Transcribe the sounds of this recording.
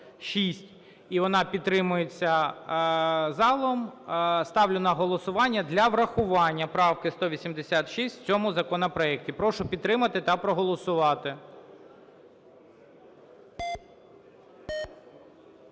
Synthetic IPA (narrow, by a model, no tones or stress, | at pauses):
ʃisʲtʲ | iʋɔnɑpʲit̪ːɾɪmʊjet͡sʲːɐ | zɑlˠɔmst̪ɑwlʲʊnɐɦɔlˠɔsʊʋɑnʲːɐd̪lʲɐʋɾɐxʊʋɑnʲːɐpɾɑwkɪst̪ɔʋʲisʲimd̪esʲat̪ʃisʲtʲt͡sʲɔmʊzɐkɔnɐpɾɔɛk̚tʲipɾɔʃʊpʲid̪t̪ːɾɪmɐt̪ɪt̪ɐpɾɔɦɔlˠɔsʊʋɑt̪ɪ